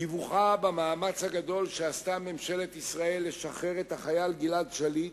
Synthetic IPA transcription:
ivuχabamaːmat͡shaɡad̪o̞lʃeast̪ame̞mʃe̞let̪isʁae̞lːe̞ʃaχe̞ʁet̪haχajalɡiladʃali

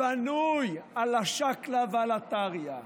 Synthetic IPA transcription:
anujalaʃaklavealat̪aʁja

